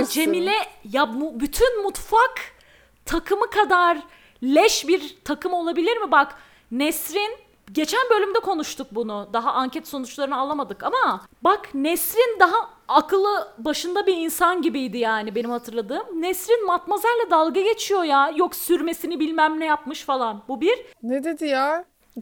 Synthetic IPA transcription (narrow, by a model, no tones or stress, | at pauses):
d͡ʒe̞milʲɛjambyt̪ʰynmut̪fak | t̪ʰakʰɯmɯkʰad̪aɾ | lʲɛʃbiɾt̪ʰakɯmolˠabilʲiɾmibak | nɛsɾin | ɟe̞t͡ʃʰænbø̞lʲymd̪ɛkʰo̞nuʃt̪ʰuk̚bunʊd̪aɦaʔaɲcɛt̪so̞nut͡ʃlˠaɾɯnɯalˠamad̪ɯkamabaknɛsɾind̪aɦaː | kʰɯlˠɯbaʃɯnd̪abiinsanɟibijd̪ijaːnibe̞nimhat̪ʰɯɾlˠad̪ɯːmnɛsɾinmat̪mazaɾlʲˠɛd̪alˠɡaɟe̞t͡ʃʰijo̞jajoksyɾme̞sinibilʲmæmnɛjapmɯʃfalˠanbubiɾ̥ned̪ed̪ijaː